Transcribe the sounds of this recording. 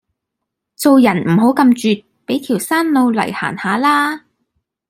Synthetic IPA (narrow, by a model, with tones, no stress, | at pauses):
t͡so˨˧wjɐ˨˩nm̩˨˩ɦo˨˥wkɐ˧mt͡ʃyː˨t̚ | pe˨˥jt̪ʰiː˨˩wsaː˥nlo˨˧wlɐ̰˨˩jha̰ː˨˩nhaː˨˧laː˥